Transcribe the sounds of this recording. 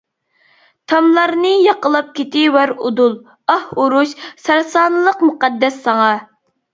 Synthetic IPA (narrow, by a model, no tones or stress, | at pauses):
t̪ʰɑmlˠɑɾnɨjɑqəlˠɑp̚kʲet̪ɪwæɾud̪ulˠ | ɑhuɾuʃsæɾsɑːnɨlˠəqmuqɑd̪ːɛsːɑŋɑ